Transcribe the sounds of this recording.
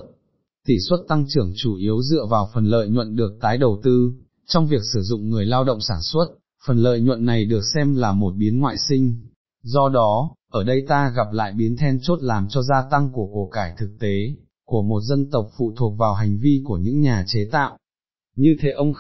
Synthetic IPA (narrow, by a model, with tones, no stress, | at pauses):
t̪i˧˩swə˦˥t̚t̪a˧ŋt͡ɕɨ˧˩əŋt͡ɕu˧˩ʔi˨˦əwzɨ̰˧˨əvaː˨˩wfə˨˩nlə̰ː˧˨jɲwə̰˧˨nɗɨ˨˩ək̚t̪aː˨˦jɗə˨˩wt̪ɨ˧ | t͡ɕɔ˧wŋ͡mvi˨˩ək̚sɨ˧˩zʊ̰˧˨ŋ͡mŋɨ˨˩əjlaː˧wɗə̰˧˨ŋ͡msaː˧˩nswə˦˥t̚ | fə˨˩nlə̰ː˧˨jɲwə̰˧˨nːa˨˩jɗɨ˨˩ək̚sɛ˧mlaː˨˩mo˨˩t̚ɓi˨˦ənŋwa̰ː˧˨jsï˧ŋ̟ | zɔ˧ɗɔ˨˦ʔəː˧˩ɗə˧jt̪aː˧ɣa˨˩p̚la̰ː˧˨jɓi˨˦ənt̪ʰɛ˧nt͡ɕo˦˥t̚laː˨˩mt͡ɕɔ˧zaː˧t̪a˧ŋku˧˩əko˨˩kaː˧˩jt̪ʰɨ˨˩k̚t̪e˨˦ | ku˧˩əmo˨˩t̚zə˧nt̪ə˨˩wk͡p̚fṵ˧˨t̪ʰu˨˩ək̚vaː˨˩wɦa˨˩jŋ̟vi˧ku˧˩əɲɨ̰˧˥ŋɲaː˨˩t͡ɕe˨˦t̪a̰ː˧˨w | ɲɨ˧t̪ʰe˨˦ʔə˧wŋ͡m